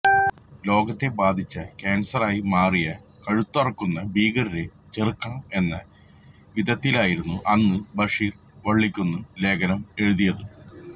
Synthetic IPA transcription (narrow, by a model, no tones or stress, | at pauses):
lo̞ːɡɐt̪ːe̞baːd̪ʱit͡ɕːɐkeːnsɐraːjimaːrijɐkɐɻut̪ːɐrɐkːunːɐbiːɡɐriɾe | t͡ɕerɨkːɐɳɐme̞nːɐ | ʋid̪ʱɐt̪ːilaːjiɾunːuʔɐnːɨbɐʂiːr | ʋɐɭːikʲːunːɨle̞ːɡɐnɐme̞ɻuðijɐðɨ